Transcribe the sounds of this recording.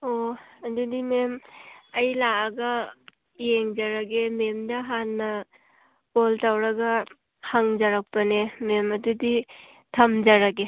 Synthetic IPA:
oɐdudimemɐjlaːɡɐ | jeŋd͡ʒɐɾaɡememdɐɦanːɐ | poltawɾɐɡɐ | haŋd͡ʒɐɾak̚pɐnememɐdudi | tʰɐmd͡ʒaɾaɡe

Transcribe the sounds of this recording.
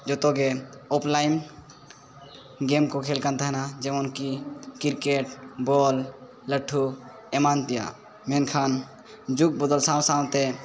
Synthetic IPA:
d͡ʒot̪oɡeoplaːɪm | ɡeːmkokʰeːlkənt̪əɦnad͡ʒemonkikɪɾkeʈboːlː | əʈʰːu | emaːnp̪ija̰ | menkʰaːn | d͡ʒuk̚bʊd̪əlsãːw̃sãːwt̪e

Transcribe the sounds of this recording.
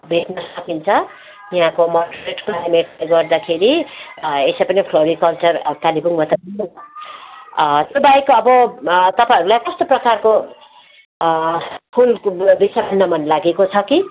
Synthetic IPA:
bʱeʈnʌsʌkint͡sʰʌ | iɦãkomʌʈreʈpaɾemeʈleɡʌrd̪akʰeɾi | esepʌnipʰloɾikʌlt͡sʌrkalibuŋmʌt̪aĩ | t̪jobajkoʌbʌt̪ʌpãʌɾulajkʌst̪oprʌkarko | pʰulbisabʱʌnːʌmʌnlaɡekot͡sʰʌki

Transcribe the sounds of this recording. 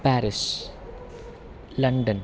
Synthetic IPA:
pæːɾɪs | lɐɳɖən

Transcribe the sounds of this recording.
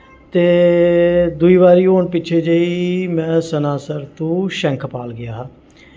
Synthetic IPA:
t̪eː | d̪ʊiːβaːɾiːɦoːɳpɪt͡ʃʰeːd͡ʒəiːmɛ̃ːsənaːsəɾt̪õːʃɛŋkʰpaːlɡɪjaː

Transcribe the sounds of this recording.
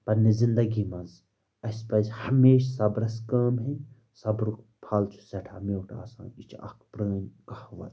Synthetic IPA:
pɐɾnezind̪ɐɡimɐ̃nz | ɐspɐzʲhɐmeːʃsɐbɾɐskaːmɦe | sɐbɾuk̚ | pʰaːlt͡ʃʰu̥sɐʈʰameːwʈʰa̰ːsa̰ːnit͡ʃʰɐ̰kʰpɾəːnʲkɐhʋɐ̰t̪

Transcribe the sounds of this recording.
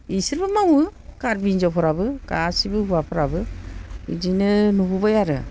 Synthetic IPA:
isiɾbɯmawɯkaɾbind͡ʒɔpʰɔɾabɯka̰sibɯuwapʰɔɾabɯidinɯnububajaɾɯ

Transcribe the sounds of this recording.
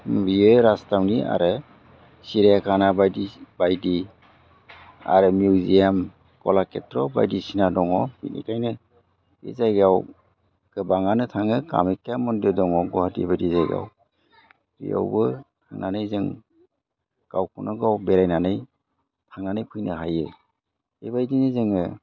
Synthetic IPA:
biɯɾastamnia̰ɾɯ | siɾijakʰanabajdibajdi | a̰ɾɯmjuwzijam | kɔlaketɾɔba̰jdisinadɔŋɔmḭtnḭkʰajnɯ | ḭzajɡaw | ɡ̥ɯbaŋanɯtʰaŋɯka̰mekeamɔndɯdɔŋɔɡɔhatḭbajdizajɡa̰w | bḭja̰wbɯtʰa̰ŋnanɯjzɯŋ | kawkʰunʔɯɡawbeɾajnanɯj | tʰaŋnanɯjpʰɯjnɯɦajɯ | ḛbajdinɯzɯŋɯ

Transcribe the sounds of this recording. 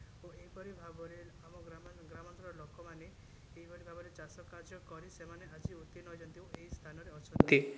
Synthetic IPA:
oeibɔɾibʱabɔɾeamɔɡɾamɡɾamɔnt̪ɾɔɾɔlokɔmane | eibʱɔɾibʱabɔɾet͡ʃasɔkaɾd͡ʒɔkɔɾisemaneʔad͡ʒiut̪inɔjd͡ʒɔnt̪ĩeɦist̪ʰanɔɾeɔt͡ʃʰɔt̪i

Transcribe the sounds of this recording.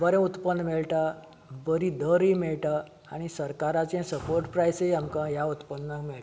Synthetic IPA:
bəɾɛ̃ut̪pənːmeɭʈa | bəɾid̪əɾimeɭʈa | aɽ̃isəɾkaɾat͡sɛ̃səpoɾʈpɾajsejamkãjaut̪pənnakmeɭʈa

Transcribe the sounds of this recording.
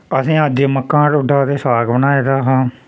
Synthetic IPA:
əsĩːəd͡ʒeːməkːãːɽʊɖaːd̪eːsaːɡbənaːeːd̪aːɦãː

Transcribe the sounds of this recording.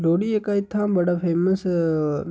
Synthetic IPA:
loːɽiekaɪt̪ʰːãbɐɽapʰeːməs

